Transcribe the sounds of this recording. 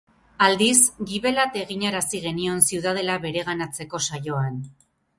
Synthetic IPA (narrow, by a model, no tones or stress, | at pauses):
ald̪isɡiβe̞lat̪e̞ɣ̞iɲeɾasiɣe̞nio̞nsiuðað̞e̞laβe̞ɾe̞ɣ̞anat͡se̞ko̞saʝo̞an